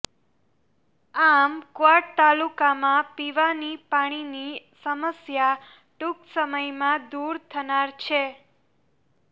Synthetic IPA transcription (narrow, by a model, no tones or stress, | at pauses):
amkoaʈ̚t̪alukamãpiʋanipaɽ̃inisəməsja | ʈuksəməjmãd̪uɾt̪ʰənaɾt͡ʃʰe